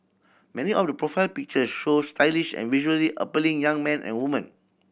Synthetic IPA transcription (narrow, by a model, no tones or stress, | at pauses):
mɛniɔfdəpɹɔfaɪlpik̚t͡ʃəsʃostʰaɪliʃɛ̰̃nviʒuəliʔa̰pəlĩŋjãŋmɛ̃nʔɛ̰̃nwumə̃n